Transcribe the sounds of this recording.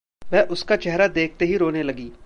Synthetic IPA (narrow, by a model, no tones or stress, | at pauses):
ʋɛːʔʊskat͡ʃɛɦɾad̪eːk̚ʰt̪eɦiɾoːnelɐɡiː